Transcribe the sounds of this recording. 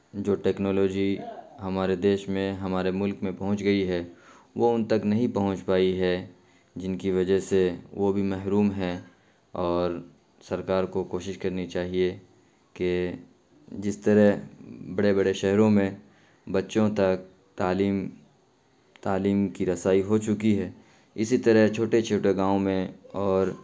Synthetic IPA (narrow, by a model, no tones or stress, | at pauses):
d͡ʒoːʈɛːknɔːloːd͡ʒiɦɐmaːɾed̪eːʃmẽɦɐmaːɾemʊlkmẽpɐɦʊ̃t͡ʃɡɐiɦɛ | ʋoʊnt̪ɐknɐɦĩpɐɦʊ̃t͡ʃpaːiɦɛ | d͡ʒɪnkiʋɐd͡ʒəɦseʋobʱimɛɦɾuːmɦɛ | ɔːɾ | sɐɾkaːɾkokoːʃɪʃkɐɾnit͡ʃaːɦie | ke | d͡ʒɪst̪ɐɾəɦbɐɽebɐɽeʃɛɦɾõmẽ | bɐtːʃõt̪ɐk̚ | t̪aːliːm | t̪aːliːmkiɾɐsaːiɦot͡ʃʊkiɦɛː | ɪsit̪ɐɾəɦt͡ʃʰoːʈet͡ʃʰoːʈeɡãːõmẽɔːɾ